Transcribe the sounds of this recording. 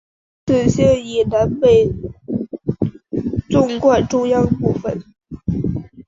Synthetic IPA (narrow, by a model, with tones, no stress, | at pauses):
ʈ͡ʂ̩˥˩ɕjɛ˥i˨˩na˧˥npe˥˩ɪ | t͡sʊ˥˧ŋkwɔ˥˩ʈ͡ʂʊ˥˧ŋjɑ˥˧ŋpu˥˩fə˨˩n